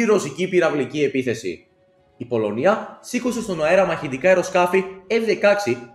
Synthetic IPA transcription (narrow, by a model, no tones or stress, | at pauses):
iɾo̞sicipiɾɐvlicie̞piθe̞sḭ | ipo̞lo̞niɐsikose̞st̪o̞nɐe̞ɾɐmɐçit̪ikɐe̞ɾo̞skɐfievðe̞kɐksi